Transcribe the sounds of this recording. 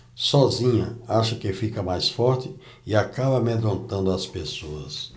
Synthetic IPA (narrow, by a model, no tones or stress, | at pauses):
sɔzĩɲɐ̰aʃɐkɪfikɐmajsfɔɾt͡ʃɪ | ɪakabɐmed̪ɾõnt̪ɐ̃nd̪ʊɐspesoɐs